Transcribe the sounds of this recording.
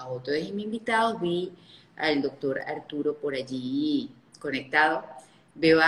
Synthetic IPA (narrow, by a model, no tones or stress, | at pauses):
aot̪oesimĩmbit̪aðoɦβi | a̰ld̪ok̚t̪oɾa̰ɾt̪uɾopoɾad͡ʒi | konek̚t̪aðo | beβa